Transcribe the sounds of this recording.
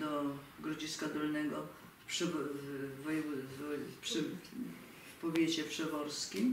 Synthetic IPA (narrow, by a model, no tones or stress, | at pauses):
d̪ɔ | ɡɾɔd͡ʑiskad̪ɔlnɛɡɔ | pʂɛɔvɔjɛɔpʂɛ | fpɔvʲjet͡ɕɛpʂɛvɔɾskʲim